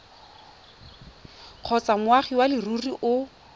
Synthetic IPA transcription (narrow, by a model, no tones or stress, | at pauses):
q͡χʰɔt͡samʊaχiwalɪruriʔʊ